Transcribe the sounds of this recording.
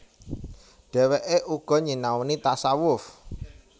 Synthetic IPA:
ɖ̥ɛ̤weʔeʔuɡ̥ɔ̤ɲinawnit̪asawʊf

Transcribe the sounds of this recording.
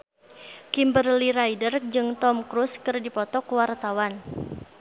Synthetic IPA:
kimbərliɾajdərd͡ʒɨŋt̪ɔmkɾuskɨrdipɔt̪ɔkwart̪awan

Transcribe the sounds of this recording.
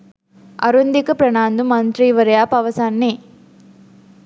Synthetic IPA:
ɐ̰ɾund̪ikɐpɾɐɳaːnd̪umɐnt̪ɾiːʋɐɾɐjaːpɐʋɐsaːnːi

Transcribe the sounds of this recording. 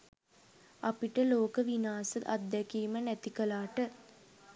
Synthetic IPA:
apiʈəloːkəʋinaːsəad̪̚d̪ɛkiːmənæt̪ikəlaːʈə

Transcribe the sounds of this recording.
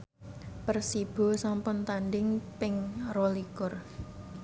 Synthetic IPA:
pərsib̥o̤sampʊnt̪andɪŋpɪŋrɔlikʊr

